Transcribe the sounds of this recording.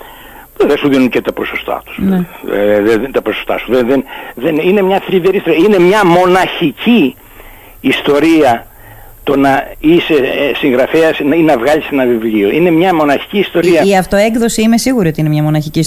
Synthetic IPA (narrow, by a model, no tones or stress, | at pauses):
ðesuðinuncet̪ɐpo̞so̞st̪ɐ̰t̪u̥sn̰ | ðet̪ɐposost̪ɐ̰suðenðenðeninemɲɐθliveɾistoiɐine̞mɲɐmo̞nɐçiciː | st̪o̞ɾiɐ | t̪o̞nɐise̞siŋɣɾɐfeɐsninɐvɣɐlise̞nɐvivlio̞ʔine̞mɲɐmo̞nɐçi̥ciːst̪o̞ɾiɐiɐft̪o̞ekðo̞siime̞siɣuɾio̞t̪iinemɲɐmo̞nɐçicis